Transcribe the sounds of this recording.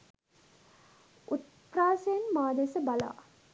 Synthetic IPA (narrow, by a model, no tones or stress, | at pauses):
ut̪̚ | praːsejənmaːd̪esəbala̰ː